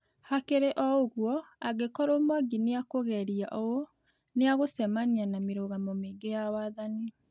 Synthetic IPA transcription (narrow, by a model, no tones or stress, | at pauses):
hakeɾeʔɔoɣwɔaɡekɔɾomwaɡineakoɣɛɾiaʔɔo | neaɣosɛmanianameɾoɣamɔmeːŋɡejawaðani